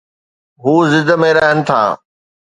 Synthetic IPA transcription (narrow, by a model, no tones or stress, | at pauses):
ɦuːzɪd̪əmẽɾɐɦənɪ̆t̪ʰa̰ː